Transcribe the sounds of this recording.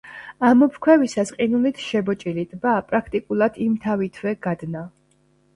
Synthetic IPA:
amɔpʰkʰwɛvisasqʼinulit̪ʰʃɛbɔt͡ʃʼilit̪ʼbapʼɾakʰt̪ʼikʼulˠad̪̥imt̪ʰavit̪ʰvwɛɡ̥ad̪na

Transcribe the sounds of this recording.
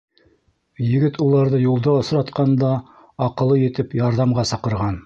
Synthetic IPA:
jɘ̆ɡɘt̪ulˠɑɾðɤjulˠd̪ɑŏsɾɑt̪qɑnd̪ɑː | qɤ̆lˠɤjɘ̆t̪ɘpjɑɾðɑmʁɑsɤ̆qɤ̆ɾʁɑn

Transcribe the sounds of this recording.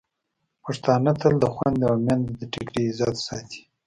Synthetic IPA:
paʂt̪ɑːnat̪ʰəld̪əxwand̪awmjand̪d̪əʈɪkɾiːzɑt̪sɑt̪i̥

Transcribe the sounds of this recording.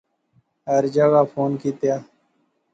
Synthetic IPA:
ɦəɾd͡ʒəɡaːfʰoːnkiːt̪jaː

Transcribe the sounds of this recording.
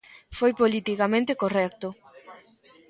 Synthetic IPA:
fojpolit̪ikamẽnt̪ekorɛk̚t̪ʊ

